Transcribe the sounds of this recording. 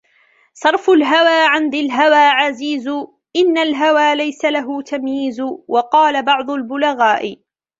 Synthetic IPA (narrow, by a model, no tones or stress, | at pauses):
sˤɑɾˤfʊlɦawaːʕɪnd̪ɪlɦawaːʕaziːz | ʔɪnːalɦawaːlajsalaɦʊt̪ʰamjiːzʊwɑqɑːlabɑʕd̪ˤʊlbʊlaɣaːʔɪ